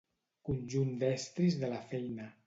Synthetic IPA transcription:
kunʲʒund̪ɛst̪ɾizðəlafɛjna

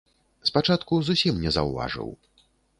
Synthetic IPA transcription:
spat͡ʂat̪kuzusʲimnʲɛzɐ̰wva̰ʐɨ̰w

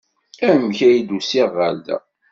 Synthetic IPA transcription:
æmçæjid̪usiʁːəld̪æ̰

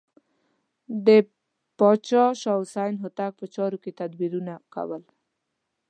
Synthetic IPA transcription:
d̪e | pɔt͡ʃɔʃɔwsajnɦʊt̪ak̚pət͡ʃɔɾukit̪ad̪wiɾunaka̰wəl

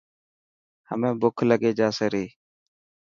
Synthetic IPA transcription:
hə̰mẽːbʊkʰləɠeːd͡ʒaːsəɾeː

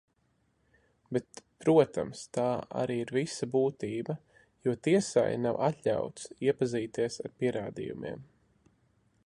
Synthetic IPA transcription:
bɛt̪pɾuɔt̪a̰mst̪aːa̰ɾiːiɾvisabuːt̪iːbɐ | juɔt̪iɛsa̰jnawʔat̪ʎʲa̰wt̪siɛpaziːt̪iɛsa̰ɾpiɛɾaːd̪ḭjṵmḭɛm

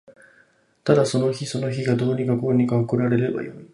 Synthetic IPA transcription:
t̪ad̪aso̞no̞çiso̞no̞çiɡad̪o̞ːɲ̟ikako̞ːɲ̟ikaokɯ̟ɾaɾe̞ɾe̞ba̰jo̞̰i

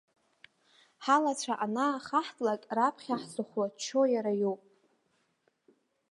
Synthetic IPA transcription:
ħalat͡sʷʰaʔanaχaħtʼlakʼrapʰχʲaħzɨχʷwat͡ʃʰojaɾajowpʼ

